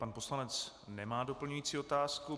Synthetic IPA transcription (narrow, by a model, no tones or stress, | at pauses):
panpo̞slanɛt͡s | nɛmaːdo̞pl̩ɲujiːt͡siːo̞t̪aːsku